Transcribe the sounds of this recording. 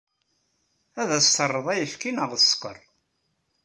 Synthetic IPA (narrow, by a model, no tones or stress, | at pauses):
æðæst̪ərˤːəðˤæjəfkinəʁsːqə̰rˤ